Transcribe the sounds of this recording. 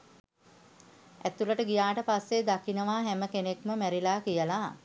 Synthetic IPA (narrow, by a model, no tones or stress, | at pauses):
ʔæt̪uləʈəɡijaːʈəpasːed̪akinəʋaːɦɛməkenekməmæɾilaːkijəla